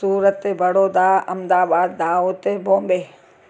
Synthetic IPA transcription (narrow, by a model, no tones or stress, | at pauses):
uːɾət̪ːebʱəɽoːd̪aːɐmd̪aːbaːd̪ːaːoːt̪ebʱõːmbeː